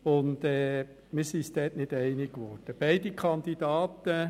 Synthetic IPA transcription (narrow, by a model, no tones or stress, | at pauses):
ʊndɛː | mɪɾsist̪ɛːtnɪdɛɪnɪɡʋɔɾd̥əb̥ɛɪdikʰɑnd̥̪idɑːt̪ə